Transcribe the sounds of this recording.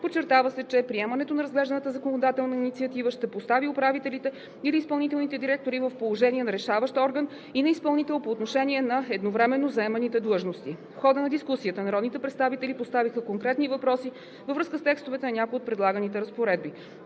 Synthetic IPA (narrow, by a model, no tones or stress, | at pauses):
pot͡ʃːɛɾt̪avəsɛt͡ʃɛpɾiɛmɐnɛt̪onɐɾəzɡlɛʒd̪ənət̪əzəkonod̪at̪ɛlˠnɐinit̪siət̪ivəʃt̪ɛpost̪aviopɾavit̪ɛlit̪ɛ | iliːspɐlˠnit̪ɛlˠnit̪ɛd̪iɾɛk̚t̪oɾivəfpolˠoʒɛniɛnɐɾɛʃavəʃt̪ɔɾɡən | inɐispɐlˠnit̪ɛlˠpoːt̪noʃɛnʲiɛnɐɛd̪novɾɛmɛnːozɐɛmɛnit̪ɛd̪lˠɤʒnost̪ifxɔd̪ənɐd̪iskusiət̪ənɐɾɔd̪nit̪ɛpɾɛt̪st̪avit̪ɛlipost̪avixəkoŋkɾɛt̪nivɐpɾɔsi | vəvɾɤskəst̪ɛkst̪ovɛt̪ɛnɐnʲakoiot̪̚pɾɛd̪lˠaɡənit̪ɛɾəspoɾɛd̪̚bi